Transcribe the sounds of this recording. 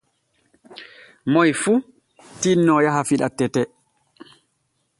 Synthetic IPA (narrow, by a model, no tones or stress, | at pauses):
mɔjfu | tinːɔjaɦafiɗa̰tːɛtɛ